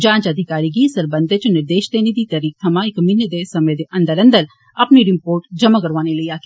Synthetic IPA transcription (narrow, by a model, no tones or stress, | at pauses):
d͡ʒãːnt͡ʃəd̪ʱɪkaːɾiːɡisəɾbə̃nd̪et͡ʃnɪɾd̪eːʃd̪eːnid̪it̪əɾiːk̚t̪ʰɐmãɪkmɪned̪esɐmẽd̪eːʔɐ̃nd̪əɾə̃nd̪əɾ | ɐpniɾɪmpoːɾʈd͡ʒəmakəɾʋaːneləiaːk